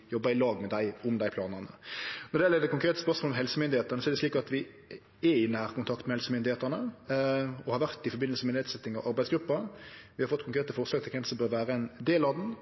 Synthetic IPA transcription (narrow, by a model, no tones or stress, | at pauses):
jɔbːɑɪlɑːɡmɛd̪æɪʊmd̪æɪpʰlɑːnəʁnə̰nɔʁd̪ɪɛləɾd̪ɛkʊŋkɾeːt̪əspœʁsmolɔmɦɛlsəmʏnd̪ɪeːt̪əʁnəsɔɛd̪ɛsliːkɑt̪ʋɪ | ɛɪnːæhæːʁkʊnt̪ʰɑkt̪mɛhɛlsəmʏnd̪ɪheːt̪æʁnə | ɔhɑɾʋæʁt̪ɪfɔɾbɪnlsəmɛnet̪sɛt̪ːɪŋɑʋʔɑɾbæɪsɡɾʉpːɑʋɪhɑɾfɔt̪ːkʰʊŋkʰɾeːt̪əfɔʁslɑːɡt̪ɪkʰɛnsɔmbøːɾʋæːɾəɛnd̪eːlɑd̪n̩